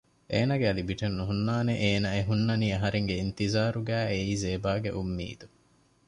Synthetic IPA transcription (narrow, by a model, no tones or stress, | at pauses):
ʔeːnɐɡeɐlibiʈenːuɦunːaːneʔeːnɐeɦunːɐniːɐɦɐɾeŋɡeint̪izaːɾuɡæːeiːzeːbaːɡḛʔumːḭːd̪u